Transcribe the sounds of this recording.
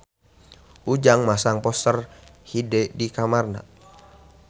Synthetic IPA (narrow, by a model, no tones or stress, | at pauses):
ʔud͡ʒaŋmasaŋpɔst̪ərhidɛdikamarna̰